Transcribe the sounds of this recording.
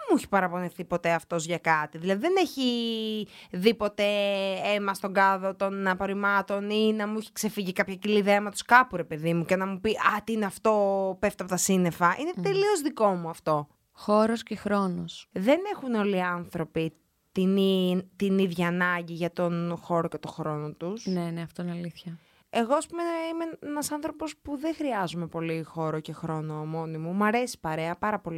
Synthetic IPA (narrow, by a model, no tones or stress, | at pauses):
mueçi̥pɐɾɐpo̞niθipo̞t̪e̞ɐft̪o̞zʝɐkɐt̪iðilɐðiðene̞çi | ðipo̞t̪e̞emɐst̪o̞ŋɡɐðo̞t̪o̞nɐpo̞ɾimɐt̪o̞ninɐmuiçi̥kse̞fiʝikɐpçɐciliðeɐmet̪o̥skɐpuɾepe̞ðimuce̞nɐmupiʔɐt̪iineɐft̪o̞peft̪ɐp̬ot̪ɐsine̞fɐʔine̞t̪e̞lio̞zðiko̞muɐft̪o̞ | xo̞ɾoscexɾo̞nosðe̞ne̞xuno̞liɐnθɾo̞pi | t̪init̪iniðʝɐːnɐɲɟiʝɐt̪o̞nxo̞ɾo̞ce̞t̪o̞xɾo̞no̞t̪usnne̞neɐft̪oineɐliθçɐ | e̞ɣoɐspumeimeenɐsɐnθɾo̞po̞spuðexɾiɐzume̞po̞lixo̞ɾoce̞xɾo̞no̞mo̞nimumɐɾe̞si̥pɐɾe̞ɐpɐɾɐpo̞li